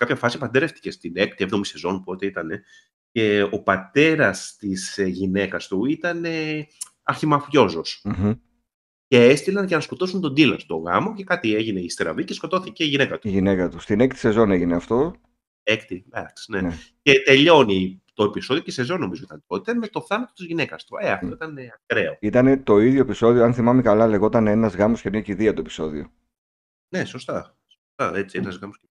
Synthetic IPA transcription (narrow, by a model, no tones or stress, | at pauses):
sekɐpçɐfɐsipɐnd̪eɾeft̪i̥ce̞st̪ine̞kt̪ievðomise̞zo̞npuo̞t̪eit̪ɐne̞ | ce̞o̞pɐt̪e̞ɾɐst̪isʝine̞kɐst̪uit̪ɐne̞ | ɐɾçimɐfjo̞zo̞s̩m̩ | ce̞est̪ilɐnʝɐnɐsko̞t̪o̞sunt̪o̞nd̪ilɐst̪o̞ɣɐ̰mo̞ce̞kɐt̪ie̞ʝine̞ist̪eɾɐ̰vicesko̞t̪o̞θice̞iʝine̞kɐt̪uʝinekɐt̪ust̪inek̚t̪i̥sezo̞neʝineɐft̪o | ekt̪id̪ɐ̰ksnenecet̪e̞ʎo̞nit̪o̞episo̞ðiocese̞zo̞nːo̞mizoit̪ɐnt̪ot̪eme̞t̪o̞θɐnɐt̪o̞t̪izʝine̞kɐst̪u̥eɐft̪oit̪ɐneɐɡɾe̞o̰it̪ɐne̞t̪o̞iðʝo̞episo̞ðioɐnθimɐmekɐlɐle̞ɣo̞t̪ɐnenɐzɣɐmoscenociðiɐt̪oepi̥so̞ðio̰ | ne̞so̞st̪ɐ | so̥st̪ɐe̞t͡sieɐzɣɐmos